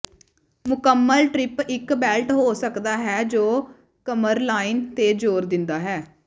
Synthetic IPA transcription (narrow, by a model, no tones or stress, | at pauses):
mʊkəmːəlʈɾɪpɪkbɛːlʈɦoːsəkd̪aːɦɛːd͡ʒoː | kəməɾlaːiːnt̪eːd͡ʒoːɾd̪ɪnd̪aːɦɛː